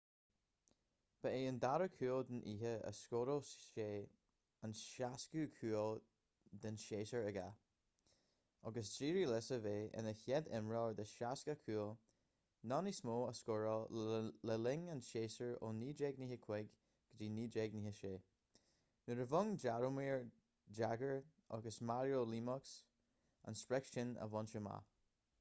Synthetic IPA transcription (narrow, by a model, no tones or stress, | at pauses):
b̥əeːənd̪aɾəkʰuːlˠd̪ɪnʔiːɦəə̰skoːɾoʃeː | ənʃaskuːkʰuːəlˠ | d̪ənʃeːsəɹəɡa̰ | ɔɡəsdɹiːɹilɪsəveːɪ̰nəçjɛd̪ɛmɹɔɹd̪əʃaskəkʰuːlˠ | nɔnismoːəskɔɹɔlɛlɪŋanʃeːsəɹo̰niːd͡ʒɛɡniːhəkʰw̥ɛɡ | ɡ̥əd͡ʒiːniːd͡ʒɛɡniːhəʃeː | nəɹəvʊŋd͡ʒaɹomiːɹ | d͡ʒaɡəɹ | ɔ̰ɡəsmaɹjolimɔks | a̰nspɹɛksʃɪnə̰vɔnʃəma̰